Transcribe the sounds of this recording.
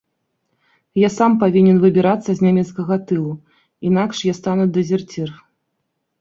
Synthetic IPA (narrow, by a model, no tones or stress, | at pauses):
jasampavʲinʲɛnvɨbʲiɾat̪sːɐzʲnʲamʲɛt̪skɐɣɐt̪ɨlˠu | inakʂjast̪anud̪ɛzʲɛrt͡sʲir